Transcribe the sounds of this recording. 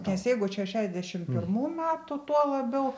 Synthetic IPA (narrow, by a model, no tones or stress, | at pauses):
nʲɛsjɛɪɡʊʃʲæʃʲæːzʲd̪ʲæʃʲɪmpʲɪrmuːmʲæːt̪ʊt̪uɔlˠɐbʲɛʊ